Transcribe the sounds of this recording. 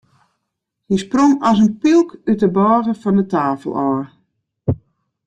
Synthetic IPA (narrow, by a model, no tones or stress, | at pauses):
disproŋɔsənpilˠkytəbɔːɣəfɔndətaːfəlˠɔːr